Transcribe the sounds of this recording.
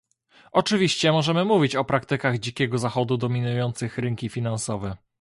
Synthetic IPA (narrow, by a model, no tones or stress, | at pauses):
ʔɔt͡ʂɘvʲiɕt͡ɕɛmɔʐɛmɘmuvʲit͡ɕɔpɾakt̪ɘkaɣd͡ʑikʲɛɡɔzaxɔd̪ud̪ɔmʲinujɔnt̪sɘxɾɘŋkʲifʲinansɔvɛ